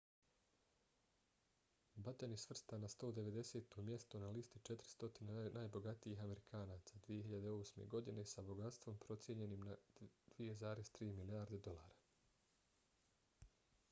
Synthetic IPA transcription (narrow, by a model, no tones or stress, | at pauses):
bat̪enisʋr̩st̪anast̪o̞ːd̪e̞ʋe̞d̪e̞se̞ːt̪omje̞st̪onalist̪it͡ʃe̞t̪ɾi̥st̪o̞t̪inenaːjbo̞ɡat̪iixame̞ɾikʰaːnaːt̪sad̪ʋije̞ɦiʎad̪eo̞ːsmḛɡo̞d̪ine̞sabo̞ɡat̪st̪ʋo̞mpɾo̞t̪sje̞ɲe̞nimnad̪̥ʋije̞zaːɾe̞zt̪ɾiːmilijaːɾd̪e̞d̪o̞lˠaːɾa